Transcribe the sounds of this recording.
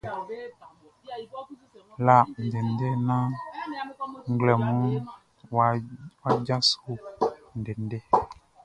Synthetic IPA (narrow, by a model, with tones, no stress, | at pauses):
la˨n̩˨de˨n˦dɛ˦nã˦ | ŋ˦ɡlɛ˨mũ˦˨ | wa˦d͡ʒa˦su˦n̩˨dɛ˨n˦dɛ˦